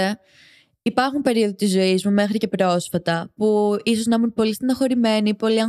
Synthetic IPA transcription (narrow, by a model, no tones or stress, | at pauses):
e | ipɐɾxumpe̞ɾio̞ðot̪izːo̞izmume̞xɾicepɾo̞sfɐt̪ɐpuiso̞znɐmunpo̞list̪inɐxo̞ɾime̞nipo̞liɐ